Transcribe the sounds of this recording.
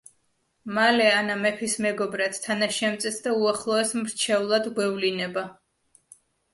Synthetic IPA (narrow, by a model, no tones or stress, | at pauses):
malɛanamɛpʰismɛɡɔbɾat̪ʰt̪ʰːanaʃɛmt̪sʼɛsd̪auaχlˠɔɛsmɾt͡ʃʰɛulˠad̪ɡwɛvlinɛba